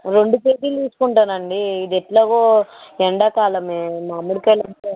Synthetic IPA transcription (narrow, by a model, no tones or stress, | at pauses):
ɾoɳɖupeːɡiːliːsu̥kuɳʈaːnɐɳɖiːd̪eʈlɐɡoːɛɳɖɐkaːlɐmemaːmuɽikelɐnt̪e